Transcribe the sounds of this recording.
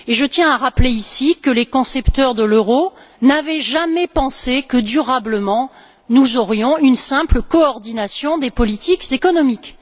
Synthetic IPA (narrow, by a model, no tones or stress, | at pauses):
eʒət̪jɛ̃aʁapleisikəlekɔ̃sɛpt̪œʁd̪əløʁo | navɛʒamɛpɑ̃sekəd̪yʁabləmɑ̃ | nuzɔʁjɔ̃ynsɛ̃pləkɔɔʁd̪inasjɔ̃d̪epɔlit̪ikzekɔnɔmik